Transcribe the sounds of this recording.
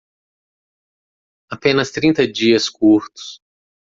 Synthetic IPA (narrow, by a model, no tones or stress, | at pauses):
apẽnɐst̪ɾĩnt̪ɐd͡ʒiɐskuɾt̪ʊ̥s